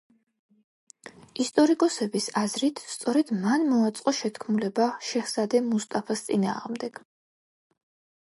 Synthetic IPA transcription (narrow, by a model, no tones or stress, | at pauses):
ist̪ʼɔɾikʼɔsɛbisazɾit̪ʰst̪sʼɔɾɛd̪̥manmɔat̪sʼqʼɔʃɛt̪ʰkʰmulɛbaʃɛχsad̪ɛmust̪ʼapʰast̪sʼina̰ːʁmd̪ɛɡ̥